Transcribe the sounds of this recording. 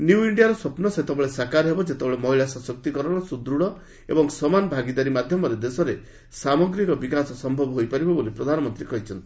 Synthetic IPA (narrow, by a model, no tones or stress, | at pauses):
njuuiɳɖijaɾɔsɔpnɔset̪ebeɭesakaɾɔɦebɔd͡ʒet̪ebeɭemɔɦiɭasɔsɔk̚t̪ikɔɾɔɽ̃ɔsud̪ɾuɽɔ | ḛbɔŋsɔmanbʱaɡid̪aɾimad̪ʱjɔmɔɾed̪esɔɾe | samɔɡɾikɔbikasɔsɔmbʱɔbɔɦojpaɾibɔbolipɾɔd̪ʱanɔmɔnt̪ɾikɔɦit͡ʃʰɔnt̪ii̥